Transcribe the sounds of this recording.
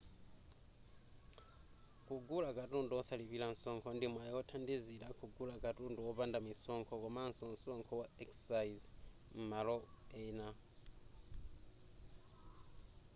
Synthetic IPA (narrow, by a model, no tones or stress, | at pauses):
kuɡulakatuːnduosaliβilansoːŋkondimwajotʰandizilakuɡulakatuːnduwoβaːndamisoːŋkʰokomansonsoːŋkʰowaeksaiz | m̩maloeina